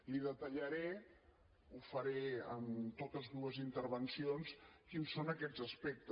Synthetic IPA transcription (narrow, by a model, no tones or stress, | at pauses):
liðət̪əʎəɾe | ufəɾeəmt̪ot̪əzðuəzint̪əɾβənsionskinsːonəkɛzəspɛk̚t̪ə